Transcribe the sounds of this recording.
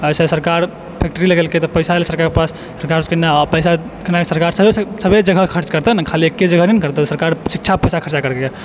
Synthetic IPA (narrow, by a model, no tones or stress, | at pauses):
əjsesəɾkaɾ | pʰek̚ʈəɾiləɡelket̪ɔpəɪsaelsəɾkaɾkepasːəɾkaɾskənːapəɪsa | kənakesəɾkaɾsəbʱesəbʱed͡ʒəɡʱəkʰəɾt͡ʃkəɾt̪ɛnakʰaliekːed͡ʒəɡʱəninkəɾt̪ɛt̪səɾkaɾsik̚t͡ʃʰapəjsakʰəɾt͡ʃakəɾkeje